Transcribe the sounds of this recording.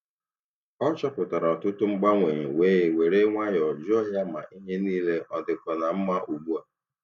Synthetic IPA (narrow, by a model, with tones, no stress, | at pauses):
ɔ˦t͡ʃɔ˦pʊ˨ta˨ɾa˨ɔ˨tʊ˦tʊ˦ŋ͡m̩˦ɡ͡ba˦ŋʷe˨ɲe˨weː˦e˨we˨ɾe˦ŋʷa˦jɔ˨d͡ʒɔ˦ja˦ma̰˨ʔi˦ɦe˦niː˦le˦ʔɔ˨dɪ˨kɔ˨na˨m̩˦ma˦ʔu˨ɡ͡bu˦a˨